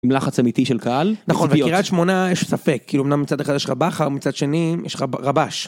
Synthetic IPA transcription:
mlaχat͡samit̪iʃelkaalnaχonvekiʁat̪ʃmo̞najeʃsafekʰːiːluumnamːit͡sad̪eχadjɛʃʁabaχaʁomit͡sad̪ʃe̞nijɛʃʁaʁabaʃ

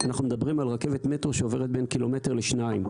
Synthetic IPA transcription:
anaχnumed̪abʁimalʁake̞vet̪met̪ʁoʃeoveʁet̪̚be̞nkilo̞met̪eʁleʃnaim

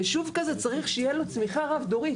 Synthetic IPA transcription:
eʃuvkazet͡saʁiχʃejelo̞t͡smiχaʁavd̪o̞ʁi

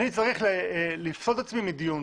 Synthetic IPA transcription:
nit͡saʁiχllifsot̪at͡smimid̪ijun

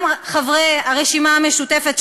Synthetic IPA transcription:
mχavʁeaʁeʃimaame̞ʃute̞fet̪ʃ

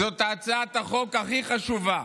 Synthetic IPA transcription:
zot̪aːt͡saat̪aχo̞kaχiχaʃuva

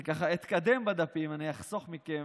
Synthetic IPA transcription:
kaχait̪kad̪e̞mbad̪apimaniaχsoχmike

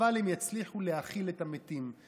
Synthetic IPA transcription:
alemjat͡sliχulehaχiletametim

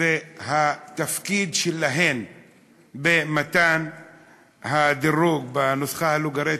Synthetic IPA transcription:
ehat̪afkid̪ʃelaɦen | bemat̪an | had̪iɾuɡbanosχahaluɡaɾi

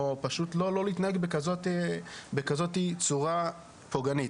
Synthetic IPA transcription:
opaʃut̪lo̞lo̞lit̪naheɡbekazotebekazo̞tit͡suʁa | poɡanit

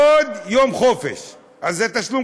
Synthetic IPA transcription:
od̪jomχofḛʃ | azɛt̪aʃlum

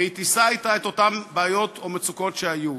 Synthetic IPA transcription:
eit̪isaːjt̪aet̪o̞tambaːjo̞t̪omet͡suko̞tʃeaju

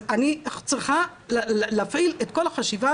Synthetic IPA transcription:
anieχt͡sʁiχa | lːafʔilet̪ko̞laχaʃiva

